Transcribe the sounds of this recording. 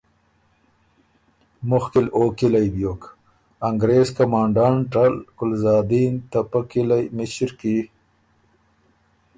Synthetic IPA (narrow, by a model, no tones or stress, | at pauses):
mʊxkɪloːkilajbjoːk | aŋɡɾeːzkamɑːɳɖɑːɳʈalkʊlzɑːd̪iːnt̪apakilajmɪɕɾki